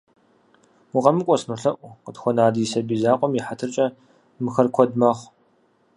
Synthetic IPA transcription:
ʊqɐmɨkʷʼɔsnuɬɐʔʷʊqədxʷɔnaːdijsɐbiːzaːqʷʼɔmjɪħatʰɨrt͡ʃʼɐ | mɨxɐrkʷʰɔdmɐχʷ

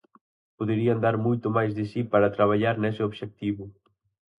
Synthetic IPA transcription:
poðeɾiand̪aɾmojt̪ʊmajzðesipaɾat̪ɾaβ̞aʎaɾnɛseoβʃek̚t̪iβʊ

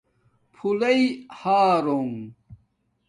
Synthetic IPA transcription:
pʰulɐihaːɾoŋ

